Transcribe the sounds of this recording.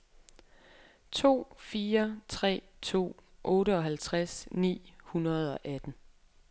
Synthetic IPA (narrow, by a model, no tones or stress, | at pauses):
t͡sʰo̝̰ːfiːɐt͡sʰʁɛ̰ː | t͡sʰo̝̰ːʔɔ̽ːɾəɒ̽ɦælt͡sʰʁasnḭːhunɐð̞̩ˠɒ̽ʔæd̥n̩